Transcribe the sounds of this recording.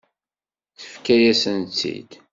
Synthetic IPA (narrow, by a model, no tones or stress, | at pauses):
θə̥fkæjæsənt͡sːḭd̪